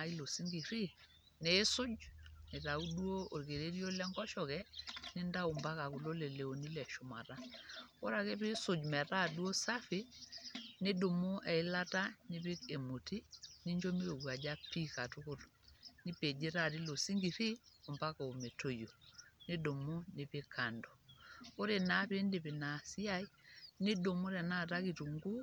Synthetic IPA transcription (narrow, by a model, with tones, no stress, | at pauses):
a˨i˦lo˨si˦ŋɡi˨ɾi˦ | ne˨˦sʊ˦d͡ʒne˨ta˨u˦dwo˦o˨ɾke˨ɾe˦ɾjo˦lɛ˦ŋɡɔ˦ʃɔ˨kɛ˦nɪ˦nda˦u˨mba˦ka˨kʊ˨lo˦le˨le˨o˨ni˦lɛ˨ʃʊ˨ma̰˨ɾa˦ɔ˦ɾa˨ke˦pɪ˦sʊ˨d͡ʒmɛ˨ta˦˨du˦o˦sa˦fɪ˦ | nɪ˦dʊ˨mʊ˦ʔɛ˨ɪ˦la˦ta˦nɪ˦pɪ˦ke˨mo˨ti˦nɪ˦ɲd͡ʒo˦mi˦ɾo˨ɡu˨a˨d͡ʒa˦pi˦ka˨tu˦kʊ˦ɾ | nɪ˦pe˨d͡ʒe˦ɾa˦˨ti˦lo˨si˦ŋɡi˨ɾi˦o˨mba˦ka˨o˨me˨to˦jo˨ne˦do˨mo˦nɪ˨pɪ˦ka˨ndɔ˨o˦ɾe˨na˨˦pɪ˦ndɪ˨pɪ˨na˨si˦a˦i˦nɪ˦do˨mo˦ɾɛ˨na˦˨ta˦ki˨tu˨ŋɡu˦